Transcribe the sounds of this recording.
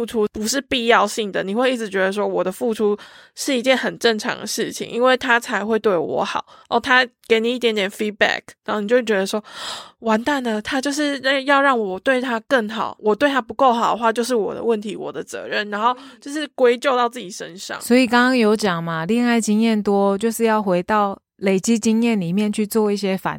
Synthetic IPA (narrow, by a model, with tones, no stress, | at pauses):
u˥˩ʈ͡ʂʰu˥pu˨˦ʂɻ̩˥˨pi˥˧jɑ˥˧ʊɕi˥˩ŋd̪ə˩ni˨˩xwe˥˧ɪi˥˩ʈ͡ʂ̩ʰ˨˩t͡ɕɥɛ˧˥d̪ə˧s̬wɔ˥wɔ˨˩d̪ə˦fu˥˩ʈ͡ʂʰu˥ | ʂɻ̩˥˩i˧˥t͡ɕjɛ˥˩nhə˨˩nʈ͡ʂə˥˩ŋʈ͡ʂʰɑ̰˧˥ŋd̪ə̰˧ʂɻ̩˥˩t͡ɕʰḭ˨˩ŋʔḭ˦˥nwe˥˩ɪt̪ʰa˥t͡sʰa˧ɪxwe˥˧ɪt̪we˥˩ɪwɔ̰˧˥˦xɑ̰˨˩˦ʊo˥˩t̪ʰa˥ke˧˥ɪni˨˩i˥˩t̪jɛ˦˥nt̪jɛ˨˩nfi˥bæ̰˥˩k̚n˨˧˥o˥˩ni˨˩t͡ɕo˥˧wt͡ɕɥɛ˧d̪ə˧ʂwɔ˥wa˧˥nt̪a˥˩nə˨t̪ʰa˥t͡ɕjo˥˧ʊʂ̬ɻ̩˥˩˥jɑ˥˧ʊɻɑ˥˩ŋwɔ˨˩t̪we˥˩ɪt̪ʰa˥kə˥˩ŋxɑ˨˩˦ʊwɔ˨˩t̪we˥˩ɪt̪ʰa˥pu˧˥ko˥˩ʊxɑ˨˩ʊd̪ə˧˦xwa˥˧t͡ɕjʊʂ̬ɻ̩˥˩wɔ̰˨˩d̪ə̰˦wə˥˩nt̪ʰi˧˥wɔ̰˨˩d̪ə˦t͡sɤ̰˧˥ɻə˥˩nɻa˧˥nxo˥˧ʊt͡ɕjo˥˧ʊʂɻ̩˥˩kwe˥ɪt͡ɕjo˥˧ʊt̪ɑ˥˧ʊt͡sɹ̩˥˩t͡ɕi˨˩ʂə˦˥nʂɑ̰˥˨ŋswɔ˧˥i˨˩kɑ˥ŋkɑ˥ŋjo˧˥ʊt͡ɕjɑ˨˩ŋma˦li˥˧ŋa˥˩ɪt͡ɕi˥ŋjɛ˥˨˩nt̪wɔ˦t͡ɕjo˥˧ʊʂɻ̩˥˧jɑ˥˩ʊxwe˧˥ɪt̪ɑ˥˩ʊ | le˨˩ɪt͡ɕi˦˥t͡ɕi˥ŋjɛ˥˨˩nli˨˩mjɛ˥˨nt͡ɕʰy˥˧t͡swɔ˥˧i˥˩ɕ̬jɛ˦fa̰˨˩˦n